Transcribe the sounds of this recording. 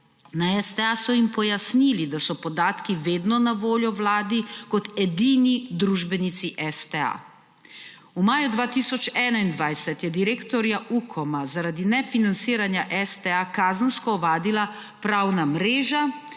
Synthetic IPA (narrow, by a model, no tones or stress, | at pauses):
naɛst̪ɛasɔimpɔjasnilid̪asɔpɔd̪aːt̪kiʋeːd̪nɔnaʋoːljɔwlaːd̪ikɔt̪ɛd̪iːnid̪ɾuːʒbɛnit̪siʔɛst̪ɛa̰ | umaːjud̪ʋaːt̪isɔt͡ʃɛːnaind̪ʋajsɛt̪jɛd̪iɾeːkt̪ɔɾjaʔukʰɔmazaɾad̪inɛfinant̪siːɾanjaʔɛst̪ɛakaːzənskɔɔʋaːd̪ila | pɾawnamɾeːʒa